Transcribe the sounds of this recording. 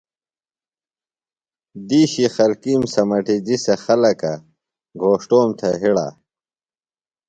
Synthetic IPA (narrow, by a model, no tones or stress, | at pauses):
d̪iːɕixɐlkiːmsɐmɐʈid͡ʑisexɐlɐka | ɡʱoːʂʈoːmt̪ʰɐɦiɽa̰ː